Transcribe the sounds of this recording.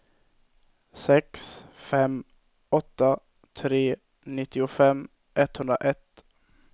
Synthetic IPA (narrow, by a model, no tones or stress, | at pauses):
sɛksfɛm | ɔt̪ːa | t̪ʰɾeː | nɪt̪ːɪʊfɛmː | ʔɛt̪hɵnd̪ɾa̰ʔɛt̪ː